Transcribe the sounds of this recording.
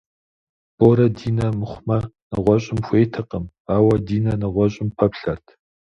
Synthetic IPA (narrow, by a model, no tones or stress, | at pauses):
b̥oɾɐdiːnɐmɨχʷmɐ | nɨʁʷɔɕʼɪmxʷeːjtʰɨqəm | aːwɐdiːnɐnɐʁʷɔɕʼɪmpʰɐpɬɐrtʰ